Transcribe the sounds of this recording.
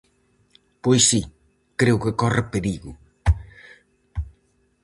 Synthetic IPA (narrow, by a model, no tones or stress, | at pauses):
pojsi | kɾewkɪkɔrɪpeɾiɣʊ